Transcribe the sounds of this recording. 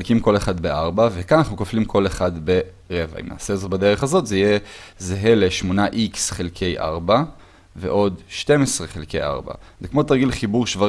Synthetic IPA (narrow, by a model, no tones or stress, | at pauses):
lkimko̞leχadbeʔaʁbavekananaχnukoflimkʰo̞leχad̪be̞ | ʁeva̰ḭmna̰ːsezobade̞ʁeχazo̞t̪zeijezeɦeleʃmonaʔiksχelkʰe̞jʔa̰ʁba | vḛʔo̞dʃte̞mesʁe̞χelkḛjʔa̰ʁba̰zekmo̞t̪aʁɡilχibuʁʃva